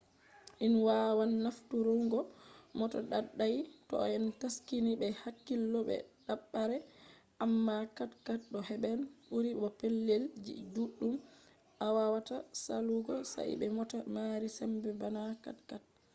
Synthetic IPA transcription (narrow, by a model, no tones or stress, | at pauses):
ʔinwawanːaftuɾuŋɡɔmɔtɔɗaɗːajtɔ̰ɛntaskinibɛhakːilːɔbɛ̰ɗaɓːaɾɛ | ʔamːakatkat̚ɗɔhɛbɛnɓuɾiɓɔpelːild͡ʒḭduɗːum | ʔawawatasa̰luɡɔsa̰ʔḭbɛmɔtamaɾisɛmbɛbanaka̰tkat̚